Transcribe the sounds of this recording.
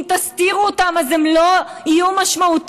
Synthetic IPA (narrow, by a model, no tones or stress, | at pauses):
mt̪ast̪iʁuot̪amazemlo̞ijumaʃmaut̪